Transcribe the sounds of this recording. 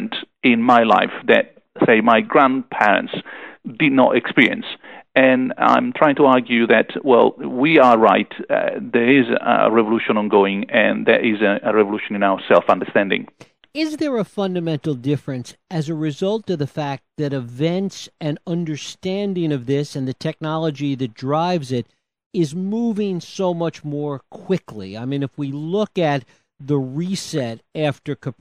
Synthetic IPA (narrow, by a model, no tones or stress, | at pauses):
ntɪ̃nmaɪla̰ɪfðɨ̰t̚ | seɪmaɪɡɹæ̃npʰɛɹɨ̰̃ntsd̥ɨdⁿnə̰ɾɨkspɪɹiɨ̰̃nsɨ̃nã̰ɪ̃mtʰɹ̥aɪɪ̃ŋtʰəɑɹɡjʉðɨtwɛ̰lˠwiə˞ɹaɪtðə˞ɪzə̰ɹɛvəluʃə̃nə̃nɡoʊɪ̃ŋɨ̃nðɨ̰ɾɪzɨɨɹɛvəluʃnɨ̃naʊə˞sɛlˠfʌ̃ndə˞stæ̃ndɪ̰̃ŋ | ɪzðə˞əfʌ̃ndɨmɛ̃ntˡl̩ˠdɪfɹɨ̃nsɨzɨɹɨzʌlˠtʌvðɨfæk̚t̪̚ðɨɾɨvɛ̃ntsɨ̃nʌ̃ndə˞stæ̃ndɪ̃ŋʌvðɪsɨ̃nðɨtʰɛk̚nɑlˠəd͡ʒiðɨt̚dɹaɪvzɪɾ | ɪzmuvɪ̃ŋsoʊmʌt͡ʃmɔɹkʰw̥ɪklḭaɪmĩnɨfwilʊkɨt̪̚ | ðəɹisɛɾæftə˞kʰə